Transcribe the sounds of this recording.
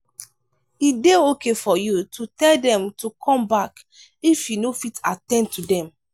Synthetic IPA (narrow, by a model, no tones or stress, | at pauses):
ideokefɔjutʰutɛldɛ̃mtʰukʰɔ̃mbak | ifjunofitatɛ̃ntʰudɛ̃m